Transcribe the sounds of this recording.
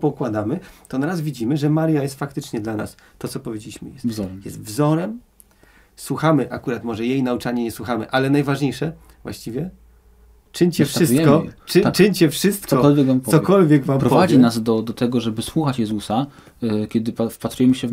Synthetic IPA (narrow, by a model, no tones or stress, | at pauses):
pɔkwad̪amɘt̪ɔnaɾazvʲid͡ʑimɘʐɛmaɾjajɛst̪fakt̪ɘt͡ʂɲɛd̪lana̰s | t̪ɔt̪sɔpɔvʲed͡ʑelʲiɕmɘ̰jɛst̪vzɔɾɛmjɛst̪vzɔɾɛm | swuxamɘʔakuɾat̪mɔʐɛjejnaut͡ʂaɲɛɲɛswuxamɘ̰ʔalɛnajvaʐɲejʂɛ | vwa̰ɕt͡ɕivʲjɛ | t͡ʂɘɲt͡ɕɛffʂɘsɛkɔt͡ʂɘt͡ʂɘɲt͡ɕɛfʂɘst̪̚k̪sɔɔkɔlvʲjɛkvampɔsɔkɔlvʲjɛɡvampɾɔpɔvvad͡ʑjinazd̪ɔd̪ɔt̪ɛɡɔʐɛbɘswuxat͡ɕjɛzusa | kʲɛd̪ɘpafpat̪ɾujɛmɘɕɛv